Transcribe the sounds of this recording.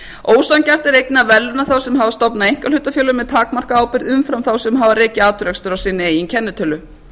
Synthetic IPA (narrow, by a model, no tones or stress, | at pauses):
oːwsancar̥t̪ɛɾejk̚nɪavɛlːʏnaθawsɛmɦavast̪ɔpnaejŋ̥kalʏt̪ːafjœːlʏmːɛðt̪ʰaːkmar̥kaaːwpɪɾðʏmfɾamθawsɛmɦavaɾeːcɪaːt̪ʏɾɛkst̪ʏɾawsɪːnːɪiɛncʰɛnːɪt̪ʰœlʏ